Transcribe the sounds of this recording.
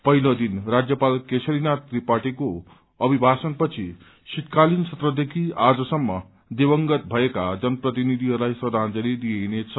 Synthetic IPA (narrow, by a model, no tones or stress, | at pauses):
pʌɦilod̪inrad͡zjʌpalkesʰʌɾinat̪ripaʈiko | ʌbʱibʱasʌnpʌt͡sʰi | sit̪̚kalinsʰʌt̪rʌd̪ekʰiad͡zʌsʌmːʌ | d̪ebʌŋɡʌt̪̚bʱʌekad͡zʌnʌprʌt̪̬inid̪ʱiɦʌɾulajsʌd̪ʱand͡zʌɾid̪ijenet͡sʰʌ